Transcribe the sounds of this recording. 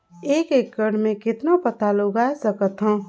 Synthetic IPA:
eːkekːəɽmẽkɪt̪napət̪aloɡaesəkət̪ɦɔ̃ː

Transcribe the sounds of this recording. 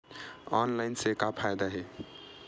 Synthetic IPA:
ɔːnlaɪnsekapʰaːjd̪aɦɛ

